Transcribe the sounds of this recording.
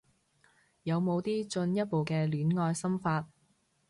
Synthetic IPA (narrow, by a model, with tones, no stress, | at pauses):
jɐ˨˧wmo˨˧wt̪iː˥t͡ʃɵ˧njɐ˥t̚po˨wkɛː˧lyː˨˥nŋɔː˧jsɐ˥mfaː˧t̚